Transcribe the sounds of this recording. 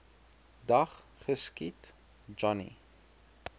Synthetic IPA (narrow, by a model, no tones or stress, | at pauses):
dɐχ | χəskit | d͡ʒɔnḭ